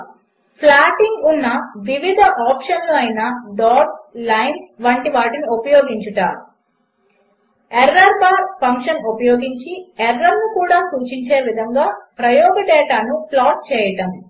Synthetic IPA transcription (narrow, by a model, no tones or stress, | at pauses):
pʰlaːʈiŋɡunːɐʋiʋid̪ʱɐʔaːpʂɐnluɐjnɐɖaːʈlɐjnʋɐɳʈiʋaːʈiniopɐjɔːɡiɲt͡ʃuʈa̰ːɾu | ɛɾːɐɾbaːɾpɐŋkʂɐnopɐjoːɡiɲt͡ʃiɛɾːɐɾnukuːɽaːsuːt͡ʃiɲt͡ʃeːʋid̪ʱɐŋɡaːpɾɐjɔːɡɐɖɛːʈaːnuplaːʈ̚t͡ʃɛːjɐʈɐm